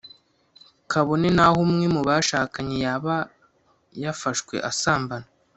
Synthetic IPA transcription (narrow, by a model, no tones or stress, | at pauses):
kʰaβo̞ne̞nahumŋemuβaʃaːkaɲejaβa | jafaʃkwe̞̰ʔasaːmbana